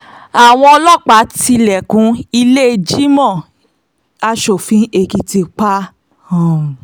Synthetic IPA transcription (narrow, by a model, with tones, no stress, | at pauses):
a˨w̃ɔ̃˧ɔ˧lɔ˦˨k͡pa˨˦ti˧lɛ˨kũ˨˦i˧le˦˧d͡ʒi˦mɔ̃˦˨ | a˧ʃo˨fĩ˨˦e˧˨ki˧ti˧k͡pa˦˨